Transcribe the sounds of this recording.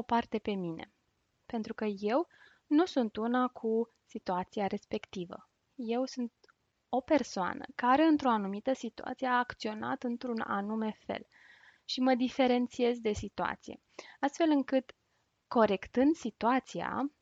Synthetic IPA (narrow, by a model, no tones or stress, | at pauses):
opart̪e̞pe̞mine̞̰ | pe̞nt̪ɾukəje̞w | nusunt̪unakʰu | sit̪uat̪siaɾe̞spe̞kt̪ivə̰ | je̞wsunt̪ | o̞pe̞rsoa̰nə̰kaɾe̞ɨnt̪ɾo̞anumit̪əsit̪ua̰t̪sije̞aːkt̪sio̞na̰t̪ɨnt̪ɾuna̰nume̞fe̞̰l | ʃiməd̪ife̞ɾe̞nt̪sie̞zd̪e̞sit̪ua̰t̪sijḛast̪fe̞lɨŋkɨt̪ | ko̞ɾe̞kt̪ɨnd̪sit̪uat̪sia̰